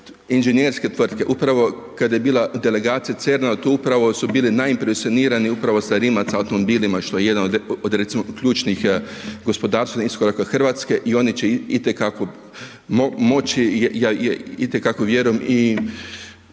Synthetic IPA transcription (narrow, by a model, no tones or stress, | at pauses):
inʒenjeɾske̞t̪ʋr̩t̪ke̞ʔupɾaʋo̞ | kad̪ajebiːlad̪e̞le̞ɡaːt̪sijat̪se̞ɾnat̪uupɾaʋo̞subiːlinaimpɾesioniːɾaniupɾaʋo̞saɾiːmat̪saawt̪o̞mobiːlimaʃt̪oje̞je̞d̪anod̪ɾet̪simokʎʲuːt͡ʃnixɡo̞spo̞d̪aːɾsʋeniskoɾakaxr̩ʋat̪ske̞ʔio̞nit͡ɕeit̪ekako̞ | momo̞t͡ʃijaːjit̪ekako̞ʋje̞ɾujemi